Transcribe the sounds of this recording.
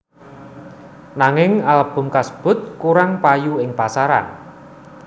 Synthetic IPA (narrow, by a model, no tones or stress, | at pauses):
naŋɪŋalb̥ʊ̤mkasə̥b̥ʊ̤t̪̚kuɾaŋpajuɪŋpasaɾa̰n